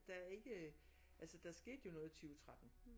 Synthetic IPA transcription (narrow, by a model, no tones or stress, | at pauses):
d̥ɑæɐe̝ɡ̥ə | ʔælsəd̥ɑ̈sɡ̥e̝̰ːd̥jo̝nɔ̽ːð̞̩ˠt͡sʰyːət͡sʰʁad̥n̩